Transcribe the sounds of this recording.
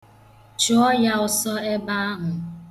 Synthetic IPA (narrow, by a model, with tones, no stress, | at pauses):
t͡ʃʊ˨˦ɔ˦ja˦ʊ˨sɔ˦e˦ba˦a˦ɦʊ˨